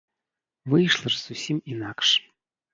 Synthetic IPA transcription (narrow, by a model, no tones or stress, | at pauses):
vɨjʂlˠɐʐz̥usʲiminakʂ